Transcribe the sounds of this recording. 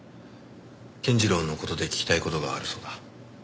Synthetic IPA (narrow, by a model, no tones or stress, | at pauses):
kẽ̞ɲ̟d͡ʑiɾõ̞nːo̞ko̞t̪o̞d̪e̞kʲi̥kʲi̥t̪aiko̞t̪o̞ɡaːɾɯ̟so̞d̪a